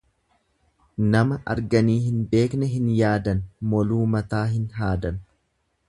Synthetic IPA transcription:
nɐmɐʔɐ̰ɾɡɐniːhɪnbe̞ːknɛɦɪnjaːd̪ɐnmɔluːmɐt̪aːɦɪnɦaːd̪ɐn

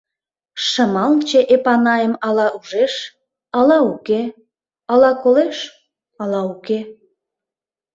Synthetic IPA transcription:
ʃəmɑlt͡ɕeʔepɑnɑjəmɑlɑʔuʒeʃ | ɑlɑuke | ɑlɑkoleʃ | ɑlɑuke

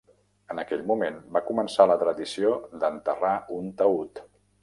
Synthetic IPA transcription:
ənəkɛʎmumenbakumənsalət̪ɾəðisiod̪ənt̪əraunt̪əut̪

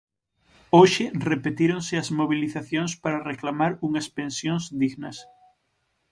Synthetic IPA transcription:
oʃɪrepet̪iɾonsɪɐzmoβiliθaθjoŋspaɾɐreklamaɾuŋɐspẽnsjoŋzd̪iɣnɐs

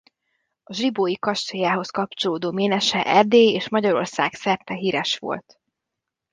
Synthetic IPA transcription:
ɒʒriboːjikɒʃt̪ojaːɦo̞skɒp̚t͡ʃo̞loːd̪oːmeːnɛʃɛʔɛrd̪eːeːʃmɒɟɒɾo̞̰rsaːksɛrt̪ɛɦiːɾɛʃʋo̞̰lt̪

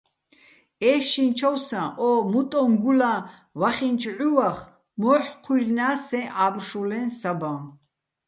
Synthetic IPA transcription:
ɛːʃint͡ʃʰɔwsãʔɔmut̪ʼɔ̃ŋɡulã | vaχint͡ʃʰʼʕuwaχ | mɔħqʰwirnaːsɛ̃ʔaːbrʃulɛ̃nsabã

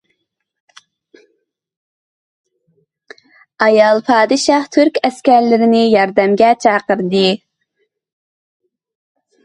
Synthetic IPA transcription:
ɑjɑlˠpʰɑːd̪ɨʃɑht̪ʰyɾkʲɛskʲæɾlɪɾɪnɪjɑɾd̪ɛmɡʲɛt͡ʃʰɑːqəɾd̪ɨ

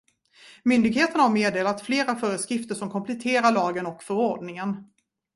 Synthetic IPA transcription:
mʏnd̪ɪɡheːt̪ənahaɾmeːd̪eːlat̪fleːɾafœːɾəskɾɪft̪əʂɔmkʰɔmpʰlɛt̪ʰeːɾaɭɑːɡənɔkfœɾɔɖnɪŋən

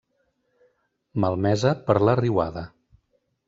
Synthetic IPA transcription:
məlˠmɛzəpəɾləriwaðə

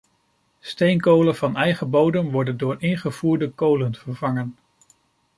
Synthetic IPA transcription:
stejnkowləvɑnɛjχəbowdənʋɔɹdəndʊːɹɪŋχəv̥uːɹdəkowlənvəɹvɑŋən

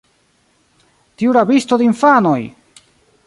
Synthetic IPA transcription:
tiuɾabistod̪einfano̞j

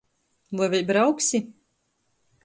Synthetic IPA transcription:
lˠajvʲɛjbɾawksʲi

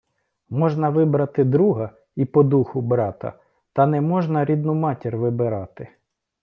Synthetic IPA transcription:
mɔʒnɐʋɪbɾɐt̪ɪd̪ɾuɦɐ | ipɔd̪uxʊbɾɑt̪ɐ̰ | t̪ɐnɛmɔʒnɐɾʲid̪nʊmɑtʲirʋɪbɪɾɑt̪ɪ

